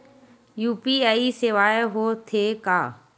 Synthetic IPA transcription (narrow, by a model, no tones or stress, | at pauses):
juːpiːaːiseʋaːeɦoːt̪ʰeːkaː